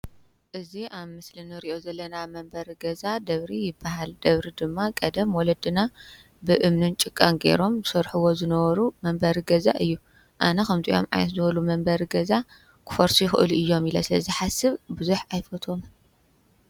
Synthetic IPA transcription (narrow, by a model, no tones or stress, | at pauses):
ʔɨziʔaβmɨslɨnɨɾiʔo̞zɐlːɐnamɐmbɐɾɡɐzad̪ɐβɾijɪbːaɦald̪ɐβɾid̪ɨmːakʼɐd̪ɐmwɔlɐd̪ɨna | bɨʔɨmnɨnt͡ʃʼɨkʼːanɡe̞̰ɾo̞mzɨsɐɾħuwo̞zɨnɐβɐɾumɐmbɐɾiɡɐza̰ʔɨjːu | ʔanɐkɐmt̪ʰiʔo̞̰mʕa̰jnɐt̪zɨβɐlumɐmbɐɾɡɐza | kʰɨ̥fɐɾsujɪxɨʔɨluʔɨjːo̞milɐ̰sɨlɐ̰zɨħasɨβbuzuħajfɐt̪ʰo̞m